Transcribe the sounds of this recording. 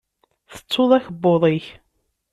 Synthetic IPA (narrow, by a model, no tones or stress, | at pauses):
θə̥t͡sːoðˤæçəbːoðˤiç